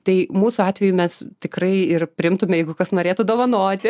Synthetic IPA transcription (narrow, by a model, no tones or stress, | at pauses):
t̪ɐɪmuːsʊɑːt̪ʲʋʲɛjumʲɛst̪ʲɪkrɐɪɪrpʲɾʲɪɪmt̪ʊmʲɛjɛɪɡʊkɐsnoːɾʲeːt̪ʊd̪oːʋɐnoːt̪ʲɪ